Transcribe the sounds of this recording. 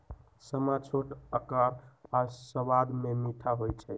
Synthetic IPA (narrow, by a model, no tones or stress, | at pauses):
səmat͡ʃʰoʈəkəɾasəʋad̪memiʈ̪ʰaɦojt͡ʃʰɛ